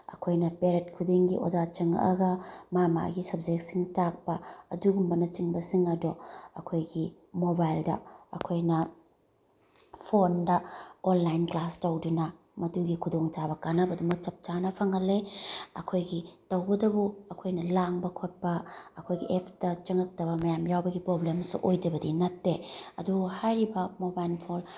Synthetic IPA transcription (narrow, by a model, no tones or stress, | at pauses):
ɐ̰kʰojnɐpeɾet̚kʰudiŋɡiʔod͡ʒat͡ʃɐŋ̰ɐ̰ɡɐmama̰ɡisɐb̚d͡ʒek̚siŋtak̚pɐɐduɡumbɐnɐt͡ʃiŋbɐsiŋɐdoɐkʰojɡi | mobajldɐɐ̰kʰojnɐ | pʰondɐonlajnklastɐwdunɐ | mɐtuɡikʰudoŋt͡ʃabɐkanɐbɐdumɐk̚t͡ʃɐp̚t͡ʃanɐpʰɐŋɐlːeɐ̰kʰojɡitɐwɡɐdɐbuɐkʰojnɐlaŋbɐkʰot̚pɐːkʰojɡiʔepʰtɐt͡ʃɐŋɐk̚tɐβɐmɐjamjawbɐɡipɾoblemsṵʔojdɐbɐdinɐtːeɐduhajɾibɐmobajlpʰol